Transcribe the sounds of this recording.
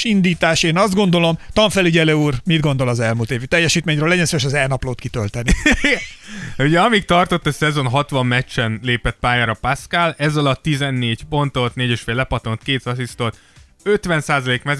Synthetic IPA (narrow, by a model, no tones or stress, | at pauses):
ind̪iːt̪aːʃeːnɒzd̪̚ɡo̞nd̪o̞lo̞mt̪ɒɱfɛliɟɛlɛuːrmid̪ɡo̞nd̪o̞lɒzɛlmuːlt̪eːvit̪ɛjːɛʃiːt̪meːɲrøːlːɛɟɛnsojeʃ̬ɒzɛlnɒploːt̪kit̪ølt̪ɛnːi | uɟɛɒmik̚t̪ɒrt̪o̞t̪ːɒsɛzo̞nɦɒt̪ʋɒmːɛt͡ʃːɛnleːpɛt̪̚paːjaːɾɒpaskalɛzɒlɒt̪ːizɛnːeːɟpo̞nt̪o̞t̪neːɟeʃfeːlɛpɒt̪ont̪keːt̪sɒsist̪ot̪ | øt̪ʋɛnsaːzɒleːkmɛ